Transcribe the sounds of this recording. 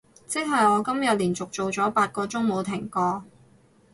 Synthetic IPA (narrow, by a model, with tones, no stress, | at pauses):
t͡sɪ˥k̚ɦɐ˨jɔː˨˧kɐ˥mjɐ˨t̚liː˨˩nt͡sʊ˨k̚t͡ʃo˨wt͡sɔː˨˥paː˧t̚kɔː˧t͡sʊ˥ŋmo˨˧wt̪ʰɪ˨˩ŋkɔː˧